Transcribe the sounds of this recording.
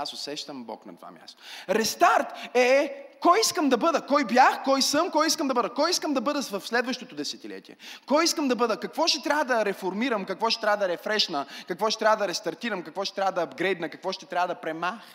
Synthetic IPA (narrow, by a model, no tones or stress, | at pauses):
asʊsɛʃt̪əmbɔ̰knɐ̰t̪va̰mʲja̰st̪oɾɛst̪aɾt̪ɛkɔjiskəmd̪ɐbɤd̪əkɔjbjaxkɔjsɤmkɔjiskəmd̪ɐbɤd̪əkɔjiskəmd̪ɐbɤd̪əvɐfslɛd̪vəʃt̪ot̪od̪ɛsɛt̪ilɛ̰t̪iɛ̰kɔjiskəmd̪ɐbɤd̪əkɐkvɔʃt̪ɛt̪ɾʲavəd̪ɐɾɛfoɾmiɾəmkɐkvɔʃt̪ɛt̪ɾʲavəd̪ɐɾɛfɾɛʃnəkɐkvɔʃt̪ɛt̪ɾʲavəd̪ɐɾɛst̪ɐɾt̪iɾəmkɐkvɔʃt̪ɛt̪ɾʲavəd̪ɐːbɡɾɛjd̪nəkɐkvɔʃt̪ɛt̪ɾʲavəd̪ɐpɾɛmax